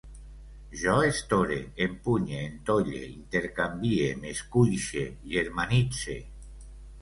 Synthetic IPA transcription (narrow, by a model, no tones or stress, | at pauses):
ʒɔest̪oɾeːmpuɲeːnt̪oʎḛint̪eɾkambiemeskuʎʃeʎeɾmanit͡sḛ